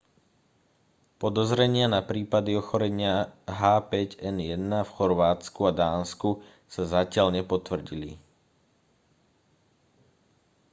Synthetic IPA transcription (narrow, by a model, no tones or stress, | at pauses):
pɔd̪ɔzɾɛɲɪanapɾiːpad̪iɔxɔɾɛɲɪaɦaːpɛɟɛnjɛd̪nafxɔɾʋaːt͡skuad̪aːnsku | sazacɪaʎɲɛpɔt̪ʋr̩ɟili